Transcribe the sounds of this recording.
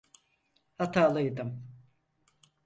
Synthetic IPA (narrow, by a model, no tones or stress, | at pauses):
hat̪ʰaːlˠɯjd̪ɯm